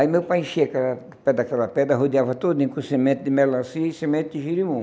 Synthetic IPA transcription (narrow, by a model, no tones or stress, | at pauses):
aimewpajẽʃiɐakɛlɐ | pɛd̪akɛlɐpɛd̪ɐɦod̪iavɐt̪od̪ʊẽkũsemẽnt̪ʊd̪ɪmɛlɐ̃siɐisemẽnt̪ʊd̪ɪʒiɾimũ